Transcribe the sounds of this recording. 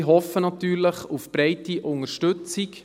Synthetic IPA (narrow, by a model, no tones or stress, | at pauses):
ɦɔfːənɑt̪yːɾləχufb̥ɾɛɪtiʔʊŋəɾʃtɵt͡sik